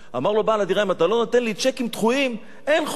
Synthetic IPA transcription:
a̰maʁlobaːlad̪iʁaimat̪alo̞nat̪enlit͡ʃekimt̪χuim | enχ

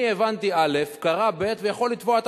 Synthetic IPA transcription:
ievant̪iale̞fkaʁabe̞t̪vejaχo̞lːit̪voat̪

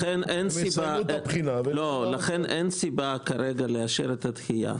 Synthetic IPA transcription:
enʔensibatpχinavlolaχenʔensibakaɾeɡaleaʃeʁet̪at̪χija̰

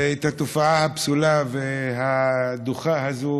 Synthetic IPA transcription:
et̪hat̪ofaahapsulaveɦad̪uχaɦazu

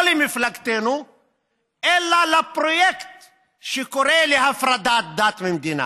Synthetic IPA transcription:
limiflakt̪eːnu | ɛlːalɐpɾojɛkt̪ | ʃikoɾeːlihafɾɐd̪aːt̪̚d̪aːt̪mind̪iːna̰

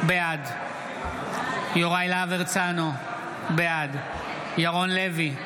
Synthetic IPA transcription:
bead̪ | joʁajlaveʁt͡sano | bead̪ | jaʁonlevi

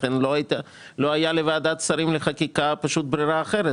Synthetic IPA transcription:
enloat̪a | loajalevaːd̪at̪saɾimleχakikapaʃut̪̚bɾiɾaːχeɾe

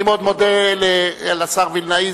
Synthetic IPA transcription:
imod̪mod̪elealasaʁvilnai

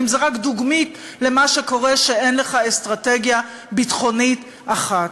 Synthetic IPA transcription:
mzeʁakd̪uɡmit | le̞maʃeko̞ʁeʃeenleχaest̪ʁateɡja | bitχo̞nit | aχat

